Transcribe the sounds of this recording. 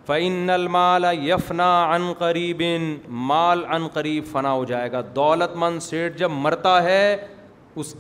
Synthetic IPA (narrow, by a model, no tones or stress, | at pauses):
fɐɪnːɐlmaːlɐjɐfnaːɐnqɐɾiːbɪnmaːlɐnqɐɾiːbfɐnaːɦod͡ʒaːeːɡaːd̪ɔːlət̪mɐnseːʈ̚d͡ʒɐbmɐɾt̪aɦɛ | ʊsk